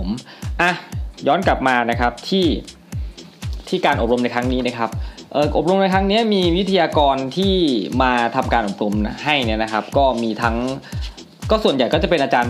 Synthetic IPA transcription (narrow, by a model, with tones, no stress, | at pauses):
mʔa˧˩jɔː˦˥nkla˨˩p̚maː˧na˦˥kʰa˦˥p̚t̪ʰiː˥˩ | t̪ʰiː˥˩kaː˧nʔo˨˩p̚ɾo˧mna˧jkʰa˦˥ŋniː˦˥na˧˥˩kʰa˦˥p̚ʔɤː˨˩ʔo˨˩p̚ɾo˧mna˧jkʰɾŋni˦˥ɐmiː˧wi˦˥t̪ʰa˧jaː˧kɔː˧nt̪ʰiː˥˩maː˧t̪ʰa˧mkaː˧nʔo˨˩p̚ɾo˧mɦa˥˩jni˥ɐna˦˥kʰa˦˥p̚kɔː˥˩miː˧t̪ʰa˦˥ŋ | kɔː˥˩su˨˩ənja˨˩jkɔ˥˩t͡ɕa˨˩pe˧nʔaː˧t͡ɕaː˧n